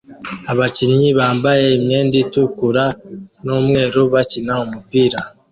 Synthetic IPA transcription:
aβaciɲiβaːmbaje̞imɲeːnditukuɾanomŋe̞ːɾoβacinaumupiːɾa

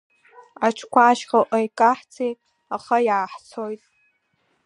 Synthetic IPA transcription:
at͡ʃʰkʷʰaːʃqaʔajkʼaħt͡sʰi | aχajaːħt͡sʰojtʼ

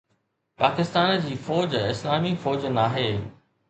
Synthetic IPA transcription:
paːkɪst̪aːnd͡ʑiːfɔːd͡ʑɪslaːmifɔːd͡ʑnaːɦeː

